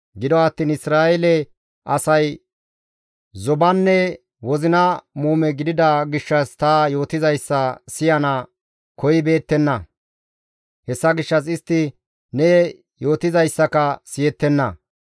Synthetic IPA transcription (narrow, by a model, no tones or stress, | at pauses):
ɡɪd̪ɔɐt̪ːiːnɪsɾaːɛlɛ | ʔɐsɐj | zɔbɐnːɛ | wɔzɪnɐmuːmɛɡɪd̪ɪd̪ɐɡɪʃːɐst̪ɐjo̞ːt̪ɪzɐjsːɐsɪjɐnɐ | kɔjɪbe̞ːt̪ːɛnːɐ | hɛsːɐɡɪʃːɐs̬ɪst̪ːɪ | nɛ | jo̞ːt̪ɪzɐjsːɐkɐsɪjɛt̪ːɛnːɐ